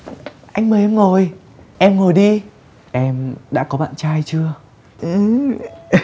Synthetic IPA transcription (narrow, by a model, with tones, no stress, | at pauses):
ʔa˧jŋ̟məː˨˩ʔɛ˧mŋo˨˩j | ʔɛ˧mŋo˨˩jɗi˧ | ʔɛ˧mɗa̰ː˧˥kɔ˨˦ɓa̰ː˧˨nt͡ɕaː˧jt͡ɕɨ˧ə | ʔɨ˨˩